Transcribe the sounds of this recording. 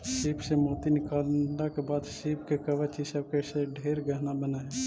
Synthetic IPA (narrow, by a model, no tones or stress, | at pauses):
ʃiːpsemoːt̪inɪkaːld̪akebaːd̪ʃiːpkekəʋət͡ʃisəb̚keseɖʱeːɾɡəɦnabənaɦɛ